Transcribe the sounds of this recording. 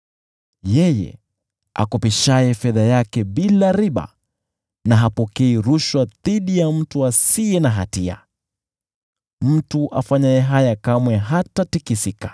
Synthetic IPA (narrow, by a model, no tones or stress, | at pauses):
jɛjɛ̰ | a̰kɔpiʃajɛfɛðajakɛɓilaɾiɓa̰ | naɦapɔkɛiɾuʃwaðiɗijam̩tuasiɛnaɦatia̰ | m̩tuʔa̰faɲajɛɦajakamwɛɦatatikisikḁ